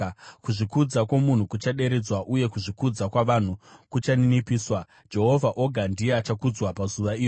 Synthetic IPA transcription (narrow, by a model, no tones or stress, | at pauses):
kuʐikud͡zakwomun̤ukut͡ʃaɗe̞ɾe̞d͡zwaʔuje̞kuʐikud͡zakwaʋan̤ukut͡ʃaninipiːswa | d͡ʒe̞ɦo̞vʱaʔo̞ɡʱandieat͡ʃakud͡zwapazuʋaiːo